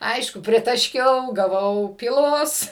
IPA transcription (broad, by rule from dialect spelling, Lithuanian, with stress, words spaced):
ˈɐɪʃkʊ pʲrʲɪtɐˈʃʲkʲɛʊ ɡɐˈʋɐʊ pʲiːˈlˠoːs